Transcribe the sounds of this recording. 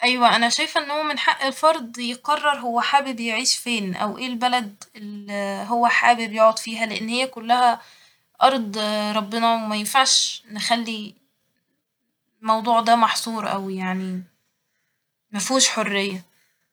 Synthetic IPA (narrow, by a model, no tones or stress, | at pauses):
ʔæjwæʔænæʃæjfʔenːhowːæmenħaʔːelfɑɾˤd̪ˤjeqɑrˤːɑɾˤɦowːæħaːbibejeʕiːʃfeːnʔæ̰wʔeːlbælæd̪elɦowːæħaːbibejoʕod̪ˤfiːɦæleʔenːhejːækʊlːæhæ | ʔɑɾˤd̪ˤɾˤɑbːenɑwemæjenfaʕʃnɪxælːi | mɑwd̪ˤuːʕd̪æːmɑħsˤuːɾʔæwijaʕni | mæfuːʃħorːejːæ